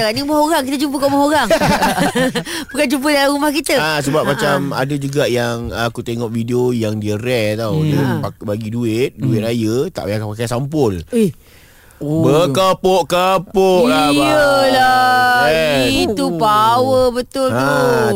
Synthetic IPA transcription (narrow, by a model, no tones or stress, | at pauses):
kaɾaniumaɦoɾaŋk̬it̪ət͡ʃump̬əkaʔmahoɾaŋ | bukand͡ʒump̬ədalaɣumahkit̪əasəbap̚mat͡ʃama̰dəd͡ʒuɡaʔjaŋakut̪eŋɔʔvideojaŋdiəɾɛht̪awdapabaɡiduɪt̪̚duɪt̪̚ɾajət̪a̰ʔakpak̬asampʊli | bəkapoʔkəpoʔʔaəla | iupawəbət̪ʊla